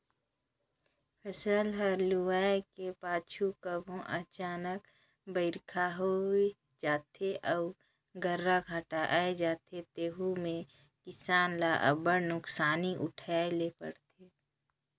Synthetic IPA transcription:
pʰəsəlɦəɾluaːekepaːt͡ʃʰukəbʱõʔət͡ʃaːnək | bəɪɾkʰaɦoe | d͡ʒaːt̪ʰeʔə | ɡəɾːaɡʱaːʈaʔaːed͡ʒaːt̪ʰet̪eːɦumẽ | kɪsaːnlaʔə̰bəɽnʊksaːniʔʊʈʰaːelepə̰ɽt̪ʰe

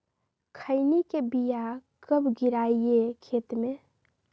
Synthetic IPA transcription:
kʰəɪnikebijakəbʱɡiɾaiekʰeːt̪mẽ

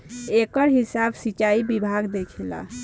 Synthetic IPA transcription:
ekəɾɦisabsit͡ʃaibibʱaɡd̪ekʰela̰

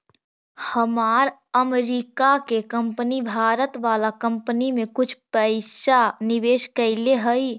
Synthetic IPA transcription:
həmaːɾəmɾiːkakekə̃mpənibʱaːɾət̪ʋaːlakə̃mpnimẽkʊt͡ʃʰpəɪsanɪʋeːʃkəɪleɦəi

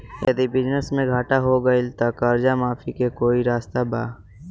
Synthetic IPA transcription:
jə̰d̪ibɪd͡ʒnəsmẽɡʱaːʈaɦoɡəilt̪ɐkəɾd͡ʒamaːfʰikekoːiɾaːst̪aba̰ː

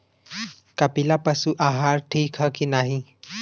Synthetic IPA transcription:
kɐpilapɐsuʔaːɦaːɾʈʰiːkɦəkinaːɦĩ

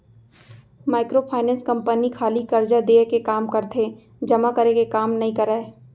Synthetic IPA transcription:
maːɪkɾopʰaːɪnɛ̃ːnskɐ̃mpənikʰaːlikɐɾd͡ʒad̪eːkekaːmkɐɾt̪ʰe | d͡ʒɐmakɐɾekekaːmnɐɦĩkɐɾəː

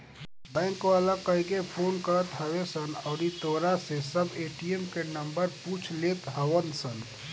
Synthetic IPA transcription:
bɛ̃ːŋkʋalakəɪɡepʰoːnkəɾət̪ɦɐʋesənɔːɾit̪oːɾasesɐbeːʈijemkenə̃mbəɾpuːt͡ʃʰleːt̪ɦəwənsən

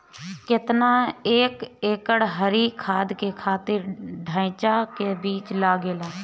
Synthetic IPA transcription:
kɪt̪naeːkeːkəɽɦəɾikʰaːd̪kekʰaːt̪ɪɾɖʱãːɪt͡ʃakebiːt͡ʃlaːɡeːlaː

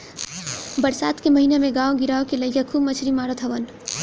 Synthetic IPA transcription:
bəɾsaːt̪kemɐɦinemẽɡaːoɡɪɾaːokelɐɪkakʰuːbmət͡ʃʰɾimaːɾot̪ʰɐʋən

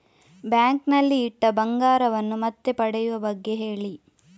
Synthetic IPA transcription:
bjaːŋknɐlːiːʈːɐbɐŋɡaːɾɐʋɐnːumɐt̪ːe̞pɐɽɛjuʋɐbɐɡːe̞ɦe̞ːɭi

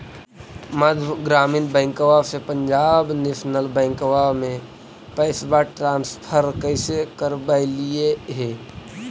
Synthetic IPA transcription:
məd̪ʱɡɾaːmiːnbɛ̃ɪŋkowasepə̃ɲd͡ʒaːbnesnəlbɛ̃ɪŋkoʋamẽ | pəɪsbaʈɾaːnspʰəɾkəɪsekəɾbaɪlieɦeː

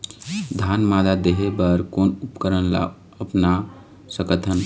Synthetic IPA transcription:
d̪ʱanmad̪ad̪eɦebəɾkonupkəɾənla̰ | əpna | səkət̪ʰən

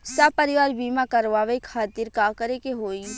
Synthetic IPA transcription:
sapɐɾɪʋaːɾbiːmakɐɾʋaʋekʰaːt̪iɾkaːkəɾekeɦoːi

